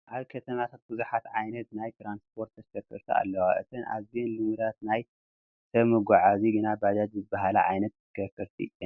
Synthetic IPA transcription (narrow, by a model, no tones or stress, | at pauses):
ʔaβkʰɐt̪ʰɐmat̪ʰat̪̚bɨzuħat̪ʕajnɐt̪najt̪ʰɾanspʰo̞ɾt̪ʰːɐskɐkʰːɐɾt̪ʰɐ̰a̰lːɐwaʔɨt̪ʰɐnʔa̰zienlɨmɨɾat̪naj | t̪ʰɐmɐɡʷaʕaziɡɨnabad͡ʒad͡ʒzɨbːaɦala̰ʕajnɐt̪ːɨskɐkʰːɐɾt̪ʰijɛ